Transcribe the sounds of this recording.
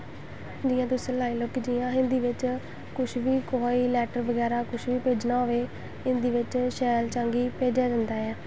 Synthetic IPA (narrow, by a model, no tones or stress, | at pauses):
d͡ʒiːãːt̪ʊsẽːlaːiːloːkːd͡ʒiːãːɪ̃nd̪iːʋɪt͡ʃ | kʊʃʋiːkoɦoːiːlɛːʈəɾʋəɡɛːɾaːkʊʃʋiːpeːd͡ʒnaːɦoʋeː | ɪnd̪iːʋɪt͡ʃʃɛːlt͡ʃəŋɡiːpeːd͡ʒaːd͡ʒənd̪aːɛː